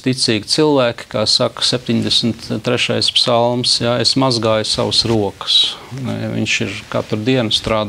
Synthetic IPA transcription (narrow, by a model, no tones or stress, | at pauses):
t̪it̪siːɡʲit̪silˠʋæːkʲkaːsaksep̚ʲt̪ʲiɲd̪esmt̪t̪ːɾeʃajspsalˠmsjaesmazɡaːjsa̰ʋəsɾuɔkə̥snɛ̰ʋḭɲʃiɾka̰t̪ɾd̪iɛnst̪ɾaːd̪